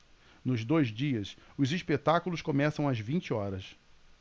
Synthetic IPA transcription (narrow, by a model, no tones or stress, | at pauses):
nʊzd̪ojzd͡ʒiɐsʊzispet̪akulʊskomɛsɐ̃w̃ɐzvĩnt͡ʃɪɔɾɐs